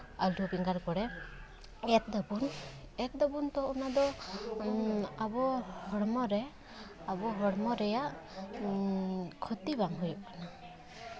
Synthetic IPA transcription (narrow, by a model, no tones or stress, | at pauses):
aluɔbiŋɡaɾkɔɽɛ | ɛt̪̚d̪ɔbun | ɛk̪̚d̪ɔbunt̪ɔɔnad̪ɔ | abɔhɔɽmɔɾɛ | abɔɦɔɽmɔɾɛjaʔ | kʰɔt̪ibaŋɦujɔkana